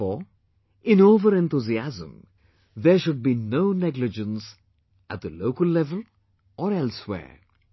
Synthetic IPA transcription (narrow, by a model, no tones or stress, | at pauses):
ɔ | ɪ̃noːvəɾɛ̃nt̪uziæzə̰̃m | ðɛʃʊɖ̚biːnoːnɛɡlɪd͡ʒə̃ns | æt̚d̪əloːkəlːɛvəl | ʔɔːɾɛlswɛ̰ː